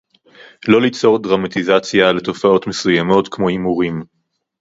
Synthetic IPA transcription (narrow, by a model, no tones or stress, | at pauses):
lo̞lit͡so̞ʁdʁamat̪izat͡sjale̞tofao̞tme̞sujamo̞tkmo̞imuʁim